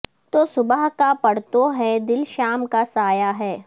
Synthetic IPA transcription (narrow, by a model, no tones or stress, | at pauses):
t̪oːsʊbəɦkapɐɽ̤t̪oɦɛd̪ɪlʃaːmkasaːjaɦɛː